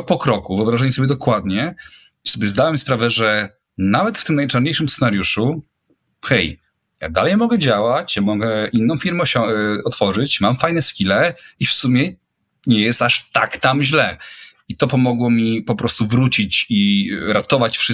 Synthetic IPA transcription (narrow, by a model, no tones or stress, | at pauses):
pɔkɾɔkuvɨɔbɾaʐaɲɛsɔbʲjɛd̪ɔkwad̪ɲɛ | isɔbʲjɛzd̪awɛmspɾavɛʐɛ | navɛt̪ft̪ɘmnajt͡ʂaɾɲejʂɨmssɛnaɾjuʂu | xɛj | ja̰d̪alɛjmɔɡɛd͡ʑawat͡ɕjamɔɡɛʔinːɔ̃w̃fʲiɾmɛɔɕɔɔt̪fɔʐɘt͡ɕmamfajnɛskʲilɛifsumʲjɛ | ɲɛjɛst̪aʂt̪a̰kt̪amʑlɛ | it̪ɔpɔmɔɡwɔmʲipɔpɾɔst̪uvɾut͡ɕit͡ɕiɾat̪ɔvat͡ɕfʂɨ